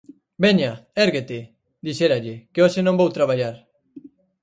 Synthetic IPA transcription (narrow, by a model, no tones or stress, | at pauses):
beɲaeɾɣet̪e | d̪iʃeɾaʎɪkeosenõmbowt̪ɾaβ̞aʎaɾ